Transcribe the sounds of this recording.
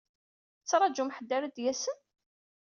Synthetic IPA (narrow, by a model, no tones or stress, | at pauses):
t͡sːɾˤɑd͡ʒumħəd̪ːaɾæd̪jæsən